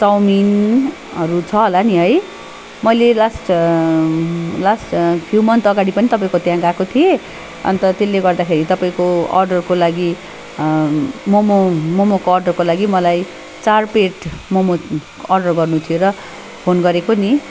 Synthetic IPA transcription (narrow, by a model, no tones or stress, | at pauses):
t͡sʌwmin | ʌɾut͡sʰʌɦolaniɦʌj | mʌjlelasʈ | lasʈpʰjuwmʌnt̪ʌɡaɽipʌnit̪ʌpaĩkot̪jãɡakot̪ʰije | ʌ̰nt̪ʌt̪elːeɡʌrd̪akʰeɾit̪ʌpaĩkoʌ̰rɖʌrkolaɡi | momomomokoːrɖʌrkolaɡimʌlaj | t͡sarpeʈmomo | ʌrɖʌrɡʌrnut̪ʰijoɾʌ | pʰonɡʌɾekoni